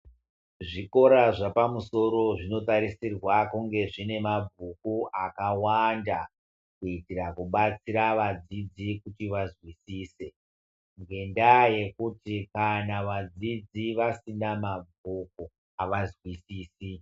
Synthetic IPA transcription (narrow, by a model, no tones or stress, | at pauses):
ʐiko̞ɾaʐapamuso̞ɾo̞ʐino̞taɾisirwakuŋɡe̞ʐine̞mab͡vʱukuʔakawanda | kuitirakuɓat͡siɾaʋad͡zid͡zikutiʋazwisiːse̞ | ŋɡe̞ndaje̞kutikanaʋad͡zid͡ziʋasinamab͡vʱuk̚u | aʋazwisiːsi